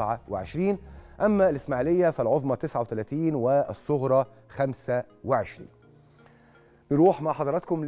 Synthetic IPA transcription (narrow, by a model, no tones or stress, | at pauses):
ʕawɪʕeʃɾiːnʔæmːælɪsmaʕlɪjːæfælʕoðˤmɑt̪ɪsʕawet̪ælæːt̪iːnwɪʔsˤːoɣɾˤɑ | xæmsæ | wɪʕeʃɾḭːn | nɾuːħmaʕħɑd̪ˤɑɾˤɑt̪̚kʊml